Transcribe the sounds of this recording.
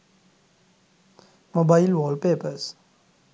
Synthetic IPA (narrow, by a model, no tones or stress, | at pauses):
mobailwɔːlpeːpəɾz̥